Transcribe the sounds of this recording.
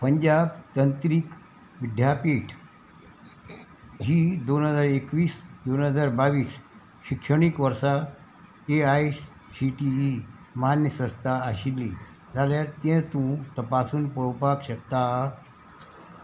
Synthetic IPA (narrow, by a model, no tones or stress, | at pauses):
pəɲd͡ʑabt̪ənt̪ɾik | ʋid̪ʱjapiʈʰ | ɦiːd̪onɦəd͡zaɾekʋiːsd̪onɦəd͡zaɾbaʋiːs | ɕikʂəɳ̃ikʋəɾsa | eajs | siʈi | məɦanjəsə̃st̪ʰaəɕilːḭː | d͡zaljaɾt̪ẽt̪ũt̪əpasuːnpəɭpakɕək̚t̪a